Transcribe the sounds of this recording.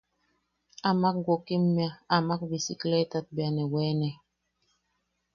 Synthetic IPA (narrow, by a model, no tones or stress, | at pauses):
amak̚ɡɔkimmiaamak̚bisiklɛtat̚bianɛwɛːnɛ